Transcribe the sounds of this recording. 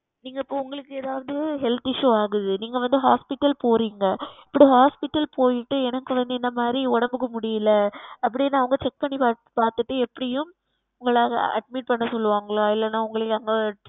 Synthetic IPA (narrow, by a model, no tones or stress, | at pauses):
niːŋɡɐɪpːoːʊŋɡɐɭɯkːɯɛðaːʋɐðɯɦɛlt̪ɪʂːuaːɣɯðɯniːŋɡɐʋɐnd̪ɯɦaːspɪʈːɐlpoːɾiːŋɡɐɪpːɐɽiɦaːspɪʈːɐlpoːjɪʈːɯɛnɐkːɯʋɐnd̪ɯɛnd̪ɐmaːd̪ɾiɔɽɐmbɯkːɐmʊɽɪjɪlːɐɐpːɐɽɪnːaːɐʋɐŋɡɐt͡ʃɛk̚pɐɳːipa | paːɾt̪ɯʈːɯɛpːɐɽɪjɯm | ʊŋɡɐɭaːɣɐʔɐɖ̚mɪʈ̚pɐɳːɐsɔlːɯʋaːŋɡɐɭaːɪlːɐnaːʊŋɡɐɭɯkːɐŋɡɐ